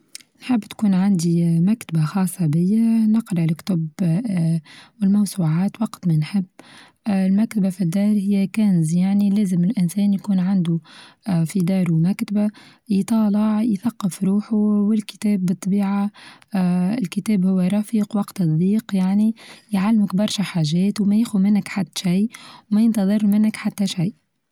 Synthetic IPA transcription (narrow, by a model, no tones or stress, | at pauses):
nħɪbːt̪kuːnʕand̪imækt̪abaxɑːsˤːɑbɪjːanɪqɾɑʕlɪkt̪ʊb | wɪlmɑwsˤuːʕaːt̪wɑqt̪mɛnħɪbː | lmækt̪abafid̪ːɑːɾˤhɪjːækænzjaʕnilæːzɪmɪlʔɪnsɛːnjkuːnʕand̪u | fid̪ɑːɾˤumækt̪aba | jt̪ˤɑːlɑʕjθaqːɑfɾuːħuwɪlkɪ̥t̪ɛːbːɨt̪ˤːɑbiːʕa | ɪlkɪt̪ɛːbhʊwːaɾˤɑfiːqwɑqt̪ɨt̪ˤd̪ˤiːqjaʕnijʕalːmɪkbɑɾˤʃaħaːʒɛːt̪wmɛjɪxumɪnːɪkħat̪ːʃajwmæjənt̪ɑðˤɨrˤːmɪnːəkħat̪ːæʃajʔ